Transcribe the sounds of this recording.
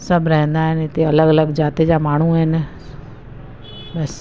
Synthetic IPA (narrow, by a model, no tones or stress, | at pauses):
sɐbʱɾɐɦə̃nd̪aɦɪnɪt̪eɐləɡɐləɡd͡ʑaːt̪ed͡ʑamaːɳ̤uɦɪn̆ | bɐs